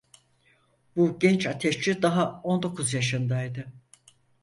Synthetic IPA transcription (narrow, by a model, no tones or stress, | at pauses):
buɟɛnt͡ʃat̪ʰɛʃt͡ʃid̪aɦao̞nd̪o̞kʰuzjaʃɯnd̪ajd̪ɯ